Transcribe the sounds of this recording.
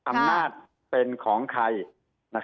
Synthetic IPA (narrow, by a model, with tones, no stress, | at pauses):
ʔa˧mnaː˥˩t̪̚ | pe˧nkʰɔː˩˦ŋkʰa˧j | na˦˥k